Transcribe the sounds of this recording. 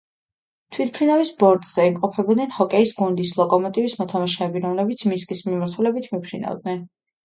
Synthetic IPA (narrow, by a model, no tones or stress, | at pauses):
t̪ʰwit̪̚ʰpʰɾinavisbɔɾt̪ʼz̥ɛimqʼɔpʰɛbɔd̪nɛnhɔkʼɛisɡund̪islˠɔkʼɔmɔt̪ʼivismɔt̪ʰamaʃɛːbiɾɔmlɛbit̪sʰmiskʼismimaɾt̪ʰulɛbit̪ʰmipʰɾina̰vd̪̚nɛn